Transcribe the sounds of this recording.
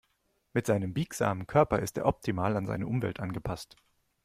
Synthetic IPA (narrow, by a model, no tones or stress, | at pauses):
mɪtz̥aɪnəmbiːkz̥a̰ːmənkʰœɐpɐɪstḛːɐʔɔp̚tʰimaːlanza̰ɪnəʔʊmvɛ̰ltʔanɡəpʰast